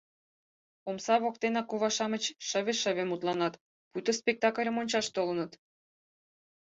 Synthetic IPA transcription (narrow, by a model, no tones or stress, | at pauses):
omsɑβok̚t̪enɑkoβɑʃɑmə̆t͡ɕʃə̆βeʃə̆βʲemut̪lɑnɑt̪ | put̪ospʲek̚t̪ɑkəlʲə̆monʲt͡ɕɑʃt̪olənət̪